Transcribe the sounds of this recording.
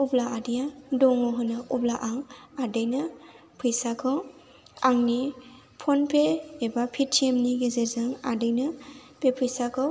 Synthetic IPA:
ublaadijadɔŋɔɦɯnɯʔublaʔaŋadɯjnɯ | pʰɯjsakʰɯw | aŋni | pʰɔnpʰeːbapʰitʰːemniɡezezɯŋadɯjnɯbepʰɯjsakʰɯw

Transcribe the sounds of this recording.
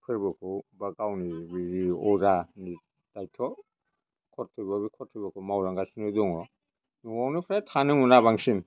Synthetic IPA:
pʰɯɾbɯkʰɯbakawnibiɾiɔzani | tajtʰɔ | kʰɔɾtʰɯbabikʰɔɾtʰɯbakʰɔmawɾaŋɡasinɯdɔŋɔ | nuwawnɯpʰɾatʰanɯŋunaβaŋsim

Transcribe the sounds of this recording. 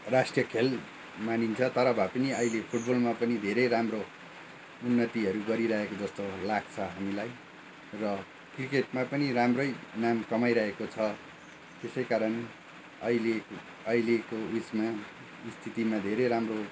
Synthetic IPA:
rasʈrijʌkʰel | manint͡sʰʌt̪ʌɾʌbʱapʌniʌilepʰuʈ̚bʌlmapʌnid̪ʱeɾejɾamro | unːʌt̪iɦʌɾuɡʌɾiɾʌɦekod͡zʌst̪olaɡ̚t͡sʰʌɦamilaj | rʌ | krikeʈmapʌniramrʌjnamkʌmajɾʌɦekot͡sʰʌ | t̪esʌjkaɾʌn | ʌile | ʌilekout͡sma | st̪ʰit̪imad̪ʱeɾeɾamro

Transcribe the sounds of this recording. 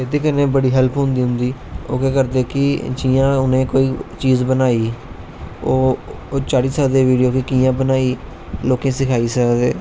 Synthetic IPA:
ed̪eːkənẽːbəɽiːɦɛlpɦʊ̃nd̪iːɦʊ̃nd̪iːo̰ːkeːk̬əɾd̪eːkɪd͡ʒiːjãːʊnẽːkoːiːt͡ʃiːzbənaːiː | oːt͡ʃaːɽiːsəd̪eːʋiːɖijoːkɪkiːjãːbənaːiː | loːkẽːsɪkʰaːiːsəd̪ḛː

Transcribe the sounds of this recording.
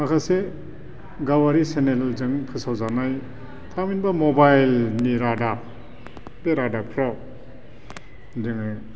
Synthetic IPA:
makʰase | ɡawaɾisenellzɯŋpʰɯsawzanaj | tʰaminbamobajlniɾada | beɾadapʰɾɔ | dɯŋɯ

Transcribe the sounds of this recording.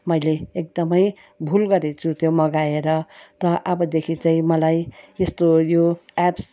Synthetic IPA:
mʌjleek̚d̪ʌmʌj | bʱulɡʌɾet͡sʰut̪jomʌɡaeɾʌt̪ʌʔʌbʌd̪ekʰit͡saĩmʌlajest̪ojoaps

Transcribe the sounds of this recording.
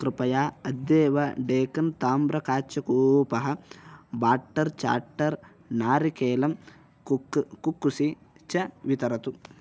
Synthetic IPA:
kɾɪpɐjaːɐd̪ːeːʋɐɖeːkɐnt̪aːmbɾɐkaːt͡ʃɐkuːpɐɦɐ̆baːʈːɐɾt͡ʃa̰ːʈːɐɾ | naːɾikeːlɐm | kukːusi | t͡ʃɐʋit̪ɐɾɐt̪u

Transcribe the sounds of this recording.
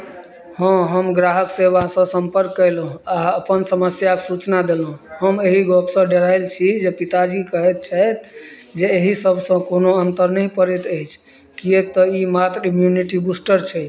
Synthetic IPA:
hə̃ɦəmɡɾaɦəkseβasə̃səmpəɾkːəjlũaəpənsəməsjaksut͡ʃnad̪elɦũɦəmeɦiɡɔpsə̃ɖeɾajlt͡ʃʰid͡ʒepit̪ad͡ʒikəɦɛet̪̚t͡ʃʰajt̪̚d͡ʒeːɦisəbʱsə̃konoənt̪əɾnəjpəɾɛt̪əjt͡ʃʰ | kiek̚t̪ɔimat̪ɾimjuniʈibusʈəɾt͡ʃʰɛj

